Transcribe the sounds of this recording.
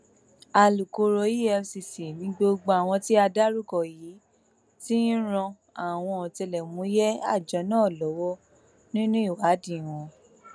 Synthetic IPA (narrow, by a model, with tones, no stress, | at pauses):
a˨lu˨ko˨˧ɾo˧˦i˦ɛ˧si˨si˨nĩ˨˦ɡ͡bo˧ɡ͡bo˧a˨w̃ɔ̃˧ti˦a˧da˦ɾu˦kɔ˨jiː˨˦ | ti˦ĩ˦ɾ̃ɔ̃˧ | a˨w̃ɔ̃˧ɔ˨tɛ˧lɛ˨mũ˨˦jɛ˦a̰˦˨d͡ʒɔ˨˦nãː˦˨lɔ˨˦wɔ˦ | nĩ˦nũ˦i˦˨wa˨˦dĩ˦˨w̃ɔ̃˧